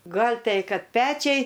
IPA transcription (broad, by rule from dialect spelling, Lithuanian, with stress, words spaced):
ˈɡɐlʲ ˈtʲɛɪ ˈkɐt ˈpʲæːt͡ʃʲɛɪ